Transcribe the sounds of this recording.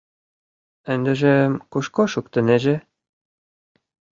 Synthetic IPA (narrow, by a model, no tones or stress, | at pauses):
ɘ̆nd̪ɘ̆ʒĕmkuʃkoʃuk̚t̪ɘ̆neʒĕ